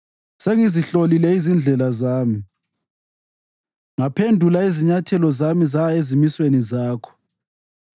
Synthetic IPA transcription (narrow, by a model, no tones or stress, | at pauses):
seŋiziɬolilɛizind͡ɮʱɛlazaːmi | ŋapʰendʱulaiziɲatʰɛlɔzamizaezimiswenizaːkʰɔ̥